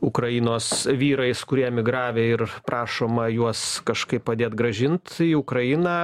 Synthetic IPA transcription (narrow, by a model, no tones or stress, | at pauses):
ʊkɾɐɪnoːsʋʲiːɾɐɪskʊɾʲiɛmʲɪɡɾɑːʋʲeːɪrpɾʔɑːʃoːmɐjuɔskɐʃkɐɪppɐd̪ʲeːt̪ɡɾɐʒʲɪnt̪iʊkɾɐɪnɑː